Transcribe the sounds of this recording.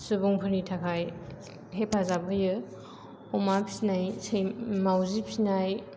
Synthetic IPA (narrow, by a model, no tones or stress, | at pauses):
subuŋpʰɯɾnitʰakʰaj | ɦepʰazabɯjɯ | ɔmapʰi̥snajsejmawzipʰinaj